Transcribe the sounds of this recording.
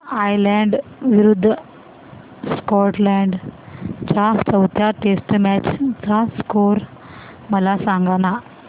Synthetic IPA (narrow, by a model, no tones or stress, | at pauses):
ajlɛɳɖʋiɾud̪ʱː | skɔʈlɛɳɖt͡ɕasəwt̪ʰjat̪esʈmæt͡ɕt͡saskoɾ | məlasaŋɡana